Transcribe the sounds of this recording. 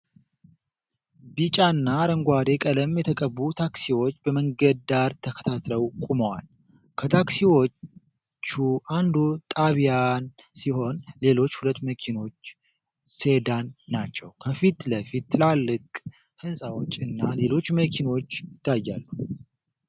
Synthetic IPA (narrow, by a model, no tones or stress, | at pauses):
bit͡ʃʼanːaɾəŋɡʷad̪e̞kʼələmjɛt̪ʰəkʼəβːut̪ʰaksiwo̞t͡ʃːbəməŋɡəd̪aɾt̪ʰəkʰə̥t̪ʰat̪ləwkʼuməwa̰l | kʰət̪ʰaksiwo̞ | t͡ʃːuʔand̪ut̪ʼaβijansiɦo̞nle̞lo̞t͡ʃːhulət̪ːməkʰino̞t͡ʃː | se̞d̪anːat͡ʃːɛwkʰəfit̪ləfit̪ːɨlalːɨkʼ | hɨnsʼawot͡ʃːʼɨnːale̞lo̞t͡ʃːməkʰino̞t͡ʃːɪt̪ʰːajːa̰lːu